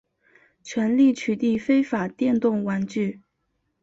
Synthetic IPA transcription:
t͡ɕʰɥɛ˧˥nli˥˩t͡ɕʰy˧˥t̪i˥˩fe˥ɪfa˨˩t̪jɛ˥˧nt̪ʊ˥˩ŋwa˧˥nt͡ɕy˥˩

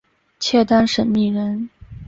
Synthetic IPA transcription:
t͡ɕʰjɛ˥˩t̪a˥nʂə˧˥nmi˥˩ɻə˧˥n

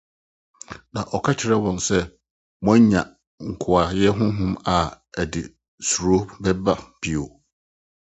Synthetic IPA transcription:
nã˨ʔɔ˨kʰa˦t͡ɕʰɪ˨ɾɛ˦wɔ̃˨nsɛ˦ | mɔ̃˦ɲã˨ | ŋ̩˨kʰʊ˨a˨jɛ˦ɦʊ̃˦ɦʊ̃˦ma˨ | æ˨dɪ̰˨ | su˨ɾo˦bɛ˦ba˦b̥i˨o˨

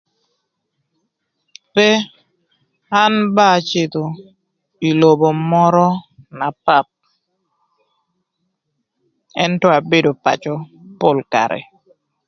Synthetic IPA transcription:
pɛ˦ | a˦nba˦˨t͡ʃɪ˦˨t̪o˨ | i˨lo˨bo˨mɔ˦ɾɔ˦na˨pa˦˨p̚ | ɛ˦ntɔ˦a˨be˦do˨pa̰˨t͡ʃɔ˦po˦lka̰˨ɾɛ̰˨

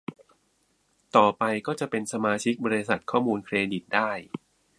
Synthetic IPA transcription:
t̪ɔː˨˩pa˧jkɔː˥˩t͡ɕa˨˩pe˧nsa˧maː˧t͡ɕʰi˦˥k̚bɔː˧ɾi˦˥sa˨˩t̪̚kʰɔː˥˩muː˧nkʰɾeː˧di˨˩t̪̚daː˥˩j

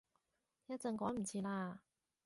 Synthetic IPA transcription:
jɐ˥t̚t͡sɐ˨˧ŋkɔː˨˥jm̩˨˩t͡sʰiː˧laː˧

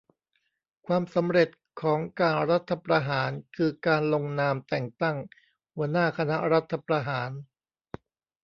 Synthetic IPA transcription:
kʰwaː˧msa˩˦mɾe˨˩t̪̚ | kʰɔː˩˦ŋkaː˧nɾa˦˥t̪ʰːa˧pɾa˧ɦaː˩˦nkʰɯː˧kaː˧nlo˧ŋnaː˧mt̪ɛ˨˩ŋt̪a˥˩ŋ | hu˩˦ɐənaː˥˩kʰa˧na˦˥ɾa˦˥t̪ʰːa˧pɾa˧ɦaː˩˦n

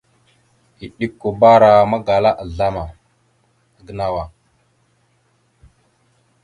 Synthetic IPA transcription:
i˨ɗi˦kːo˨ba˦ɾa˨ma˦ɡa˨la˦ʔa˨ɮa˦ma˨ | ɡə˦na˨wa˨

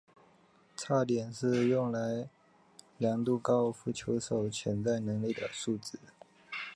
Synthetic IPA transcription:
t͡sʰa˥˩t̪jɛ˨˩nʂɻ̩˥˧jʊ˥˩ŋla˧˦ɪ | ljɑ˧˥ŋt̪u˥˧kɑ˦˥ʊfu˥˩t͡ɕʰjo˧˥ʊʂo˨˩ʊt͡ɕʰjɛ˧˥nt͡sa˥˩ɪnɤ˧˥ŋli˥˩d̪ə̰˩su˥˩t͡s̩˥˩˦

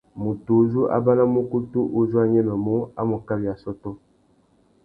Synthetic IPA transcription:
mu˨tu˨˦zu˦ʔa̰˦ba˦na˦mu˦ku˦tu˦ʔo˦˨zu˦a˦ɲɛ˦mə˨mo˦a̰˦mo˨ka˦bjja˨sɔ˦tɔ˦

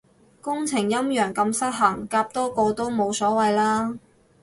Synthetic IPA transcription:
kʊ˥ŋt͡sʰɪ˨˩ŋjɐ˥mjœː˨˩ŋkɐ˧msɐ˥t̚ɦɐ˨˩ŋkaː˧p̚t̪ɔː˥kɔː˧t̪o˥wmo˨˧wsɔː˨˥wɐ˨˧jlaː˥

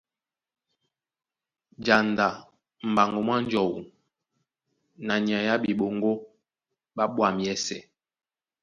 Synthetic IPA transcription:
d͡ʒa˨nda˨ | m̩˨ba˨ŋɡo˨mwa˦n˦d͡ʒɔ˨wṵ˨ | na˨ɲi˨a˨ja˦ɓi˨ɓo˨ŋɡo˦ | ɓa˦ɓwa˨m˨ɛ˦sɛ˨

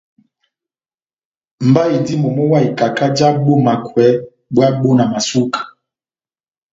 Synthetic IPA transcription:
mba˦i˨di˦mɔ˨mɔ˦wa˦i˨ka˨ka˦d͡ʒa˦bo˦ma˨kwɛ˨˦ | bwa˦ɓo˦na˨ma˨su˦kḁ˨

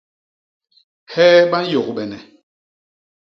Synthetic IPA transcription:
hɛ˦ɓa˦n˦jo˨ɣɓɛ˨nɛ˨

